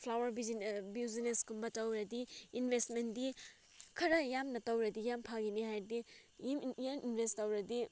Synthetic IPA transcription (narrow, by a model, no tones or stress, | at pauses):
pʰlawɐɾbibiwzineskumbɐtɐwɾɐdiinbʱestmendi | kʰɐɾɐjamnɐtɐwɾɐdijampʰaɡiniɦajɾdimjaminbʱestɐwɾɐdi